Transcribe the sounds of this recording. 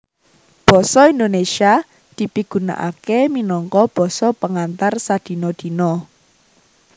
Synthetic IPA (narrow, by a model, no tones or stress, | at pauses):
b̥ɔ̤sɔind̪onesia | d̪̥i̤piɡ̥ṳna̰ʔa̰keminɔŋkɔb̥ɔ̤sɔpəŋant̪arsad̪̥i̤nɔd̪̥i̤nɔ